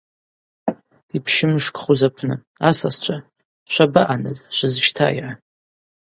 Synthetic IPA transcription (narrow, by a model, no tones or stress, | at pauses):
ipʰʃɪmʂkʼχuzapʰnɨ | asast͡ʃʷʰʼa | ʃʷabaʔanɨzaʃʷɨzʃtʰa̰jʕa